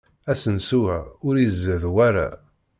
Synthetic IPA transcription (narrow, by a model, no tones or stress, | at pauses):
æsənsuæʊɾizːəðwæɾa̰